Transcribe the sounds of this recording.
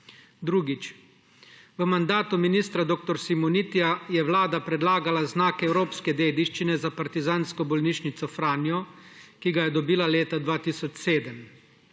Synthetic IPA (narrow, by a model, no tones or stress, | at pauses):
d̪ɾuːɡit͡ʃ | ʋəmand̪aːt̪uminiːst̪ɾad̪oːk̚t̪ɔɾsimɔnit̪iajɛwlaːd̪apɾɛd̪laːɡalaznaːkɛwɾoːpskɛd̪eːd̪iʃt͡ʃinɛzapaɾt̪izaːnskɔbɔlniːʃnit̪sɔfɾaːnjɔkiɡajɛd̪ɔbiːlaleːt̪ad̪ʋaːt̪isɔt͡ʃseːd̪əm